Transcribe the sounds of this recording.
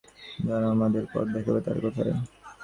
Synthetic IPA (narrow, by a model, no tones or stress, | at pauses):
d͡ʑanoamad̪eɾpɔ̰ɾd̪ekʰebet̪a̰ɾkɔt̪ʰa̰e